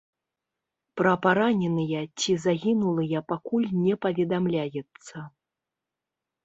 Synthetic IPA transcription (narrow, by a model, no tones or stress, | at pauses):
pɾɐpaɾanʲɛnɨjɐt͡sʲizaɣʲinulˠɨjɐpakulʲnʲɛpɐvʲɛd̪amlʲajɛt̪sːɐ